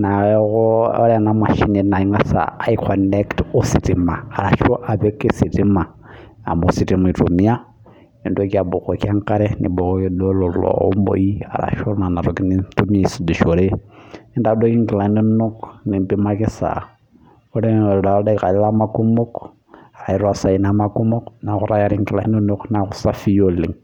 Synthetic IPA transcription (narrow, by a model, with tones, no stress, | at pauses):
na˨ɛ˦ɣʊ˦ɔ˦ɾɛ˨na˦ma˨ʃi˦ne˨˦na˨i˦ŋwa˦sa̰ː˨i˦kʰɔndɛ˦ktu˦si˨tʼi˨maː˨ɾa˨ʃɔ˦ʔa˨bɛ˦ki˦si˨tʼi˦ma˨ | a̰˨mbu˨si˨tʼi˦ma˨i˨tʼu˨mi˦a˦ | ni˨ndo˦ka˨bu˨kɔ˨kja˦ŋkʼa˦ɾɛ˦nḭ˨bɔ˨ɔ˦i˦dɔ˦lɔ˨lɔ̰˨o̰˦mbo̰˨i˦a̰˨ɾa̰˨ʃo˦na˨na˨ɾo˨ki˦ni˦tu˦mia˦i˨si˨du˨ʃo˨ɾe˦i˦nda˨˦do˦ki˦ŋki˨la˨˦no˦no˦kni˨mbi˦ma˦ki˦sa̰˨ | o˦ɾe˦˨ɾda˨o˦da˦i˨ka˨li˦la˦ma˦ku˦mo˦k | a˨ɾa˨i˦ɾwa˦sa˨i˨na˦ma˦ku˦mo˦kna˨xu˦ɾa˦ja˦ɾi˦ŋki˨la̰˨i˦no˦no˦kna˨xu˦sa˦fi˦jo˦li˨ŋ